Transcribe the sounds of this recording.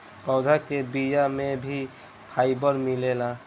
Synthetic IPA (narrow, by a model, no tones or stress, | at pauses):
pɔːd̪ʱakebijamẽbʱi | pʰaːɪbəɾmilela